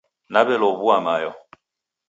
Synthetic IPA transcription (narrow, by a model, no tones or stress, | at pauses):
nabɛlɔβuamajɔ